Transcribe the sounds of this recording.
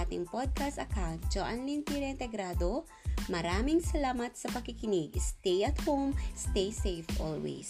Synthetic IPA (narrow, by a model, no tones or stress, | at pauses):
at̪ɪŋpod̪̚kɐst̪ɐkawnt̪̚d͡ʒoʔɐnlint̪iɾɛɪnt̪ɛɡɾaːd̪o | mɐɾaːmɪŋsɐlaːmɐt̪̚sɐpɐɡ̚kɪkɪnɪɡst̪ɛjʔɐt̪howmst̪ejsejfʔo̰lwɛ̰s